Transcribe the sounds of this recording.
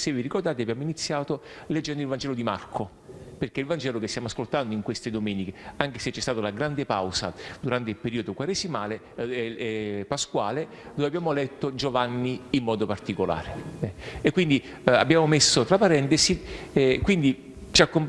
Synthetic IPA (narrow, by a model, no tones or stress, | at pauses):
sevːirikord̪aːt̪̬eabjaːmoinit̪sːjaːt̪o | led͡ʒːɛnd̪oilvand͡ʒɛːlod̪imarkʰo | perk̟eilvand͡ʒɛːlok̟est̪jamoaskolt̪and̪oiŋkwest̪ed̪omɛːnikeaŋk̟eset͡ʃːɛst̪aːt̪alaɡɾand̪epawsad̪uɾant̪̬eilpeɾiːod̪okwaɾesimaːle | ɛɛpaskwaːle | d̪ovabːjaːmolɛt̪ːod͡ʒovanːiimːɔːd̪opart̪ikola̰ːɾeekːwind̪i | a̰bːjaːmomesːot̪ɾapaɾɛnt̪esiɛkwind̪i | t͡ʃiakːom